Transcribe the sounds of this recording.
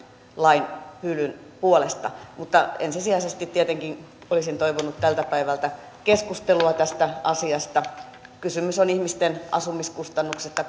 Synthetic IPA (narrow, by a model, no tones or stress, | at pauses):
lɑinhylyn | puolest̪ɑ̰mut̪ːɑḛnsisiɑisest̪it̪tiet̪eŋkin | olisint̪oiʋonut̪t̪ælt̪æpæiʋælt̪æ | keskust̪eluɑt̪æst̪æɑsiɑst̪ɑ | kysymysonihmist̪enɑ̰sumiskust̪ɑnːuksest̪ːɑ